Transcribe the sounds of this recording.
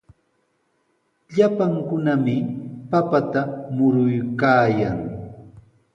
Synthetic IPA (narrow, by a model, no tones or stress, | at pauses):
ʎapaŋkʊnamɪpapat̪amʊɾʊjkaːjaŋ